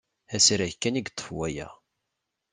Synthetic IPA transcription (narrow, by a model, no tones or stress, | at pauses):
æsiɾæjkːæniɡt̪ˤːə̥fwæjæ̰